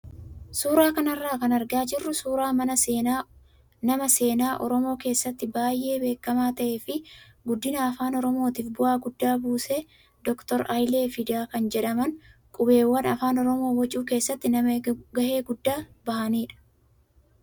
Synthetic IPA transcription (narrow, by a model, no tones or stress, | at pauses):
suːɾaːkɐnɐrːaːkɐnɐɾɡaːd͡ʒɪrːʊsuːɾaːmɐnɐeːna | nɐmɐse̞ːnaːʔɔ̰ɾɔmo̞ːke̞ːsːɐt̪ːɪbaːjʔe̞ːbe̞ːkːɐmaːt̪ɐʔe̞ːfɪ | ɡʊd̪ːɪnaːfaːnɔɾɔmo̞ːt̪iːfbʊʔaːɡʊd̪ːaːbuːseː | d̪̥ɔkt̪ɔɾɐjleːfɪd̪aːkɐnd͡ʒɛᶑɐmɐnkʼʊbe̞ːwːɐnɐfaːnɔɾɔmo̞ːwɐt͡ʃʼuːke̞ːsːɐt̪ːɪnɐɡɐhe̞ːɡʊd̪ːaːbɐhɐniːᶑɐ̥